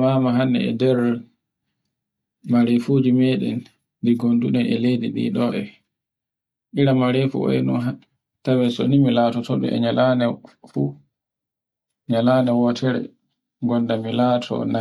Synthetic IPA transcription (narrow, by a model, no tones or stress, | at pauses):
mamaɦanːɛ̰ɛ̰dɛɾ | maɾefud͡ʒimeɗɛn | diɡondunɛʔɛlediɗḭːɗɔʔɛ | ʔiɾamaɾefṵɔ̰jnɔnɦa | tawɛso̰nimilatɔtɔɓɛ̰ɛ̰ɲalanɛfu | ɲalanɛwɔtʰɛɾɛ̰ | ɡɔndamilatʰɔ̰na